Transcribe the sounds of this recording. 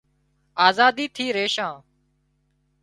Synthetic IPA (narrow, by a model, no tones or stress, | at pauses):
aːzaːd̪iːt̪ʰiːɾeːʃãː